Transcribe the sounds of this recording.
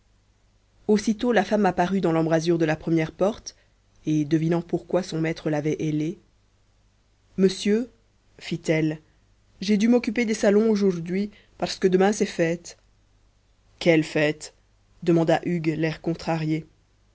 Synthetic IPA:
osit̪olafamapaʁyd̪ɑ̃lɑ̃bʁazyʁd̪əlapχəmjɛʁpɔʁt̪ | ed̪əvinɑ̃puʁkwasɔ̃mɛt̪χəlavɛʔele | məsjø | fit̪ɛl | ʒed̪ymɔkʲyped̪esalɔ̃oʒuʁd̪ɥi | paʁsə̥kəd̪əmɛ̃sɛfɛt̪ | kɛlfɛt̪ | d̪əmɑ̃d̪aʔyɡlɛʁkɔ̃t̪χaʁje

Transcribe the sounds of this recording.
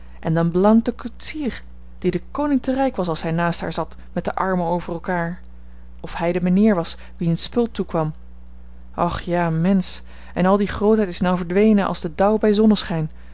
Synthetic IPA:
ʔɛndɑnblɑnt̚dəkutsiːr | d̥idəkownɪŋtərɛjkʋɑsɑlˠsɦɛjnaːstɦa̰ːɹzɑt | mɛt̚dəʔɑɹməowvərɛlˠkaːɹ | ɔfɦɛjdəmaniːɹʋɑs | ʋiənspɵlˠtukʋɑm | ʔɑχjaːmɛns | ʔɛ̰nɑlˠdiχrowtɦɛjtɪsnɔwvəɹdʋejnənʔɑ̰lˠzdədʌwbɛjzɔnəsχɛjn

